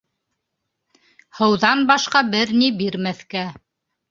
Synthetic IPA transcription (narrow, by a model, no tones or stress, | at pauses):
hɤ̆wðɑnbɑʃqɑbɘɾnibiɾmæθkæ